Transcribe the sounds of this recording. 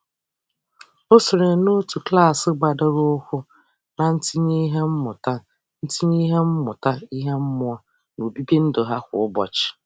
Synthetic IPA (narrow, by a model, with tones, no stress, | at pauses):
o˦sʊ˨ɾe˨˦no˦tu˨kla˦˨sɪ˦ɡ͡ba˨do˦ɾʊ˦ʊ˦kʷʊ˦ | na˨n̩˦ti˦ni˦ɦe˦m̩˦mʊ˨ta˦ | n̩˦tʰi˦ɲi˦ɦe˦m̩˦mʊ˨ta˦i˦ɦe˦m̩˦mʊ˦ɔ˦ | no˨bi˦bi˦n̩˦do˨ɦa˦kʷʊ̰˨ʊ˦bɔ̰˨t͡ʃɪ̥˨